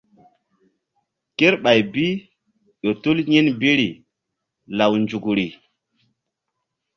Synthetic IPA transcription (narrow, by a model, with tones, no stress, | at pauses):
ke˦ɾɓa˨jbi˦ | ɗo˨tu˦lɲi˦nbi˦ɾi˨ | la˨wnd͡ʒu˨kɾi˨